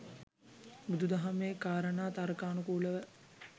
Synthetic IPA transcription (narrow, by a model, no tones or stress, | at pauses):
bud̪ud̪aɦameːkaːɾənaːt̪aɾkaːnukuːləʋə